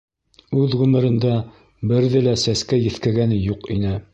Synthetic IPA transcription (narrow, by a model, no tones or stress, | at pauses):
ʉðʁʉmɘ̆ɾɘ̆nd̪ɑ | bɘ̆ɾðɘlæsæskæjɘ̆θkæɡænɘjuqinɘ